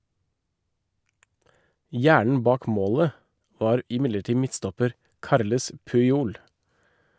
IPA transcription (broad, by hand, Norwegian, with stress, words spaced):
ˈjæːɳɳ̩ ˈbɑːk ˈmoːlə ˈʋɑːɾ ɪˈmɪləˌʈiː ˈmɪtstɔpəɾ ˈkɑɾləs pʉɪˈuːl